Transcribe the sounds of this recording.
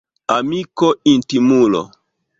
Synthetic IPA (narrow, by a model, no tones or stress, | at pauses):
amikointimulo̰